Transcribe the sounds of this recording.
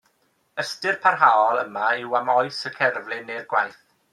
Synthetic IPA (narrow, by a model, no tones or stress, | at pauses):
əstɪrpʰarɦaɔlˠəmaɪwamɔjsəkʰɛrvlɪnːejrɡwajθ